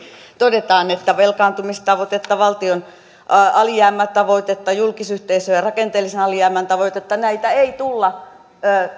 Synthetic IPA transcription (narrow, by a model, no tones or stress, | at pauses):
t̪odet̪ɑːnet̪ːæʋelkɑːnt̪umist̪ɑʋot̪et̪ːɑʋɑlt̪ion | ɑɑlijæːmːæt̪ɑʋoit̪et̪ːɑjulkisyht̪eisøːjɑrɑkent̪eːlːisenɑliæːmænt̪ɑʋoˑjt̪et̪ːɑnæit̪æeit̪ulːɑː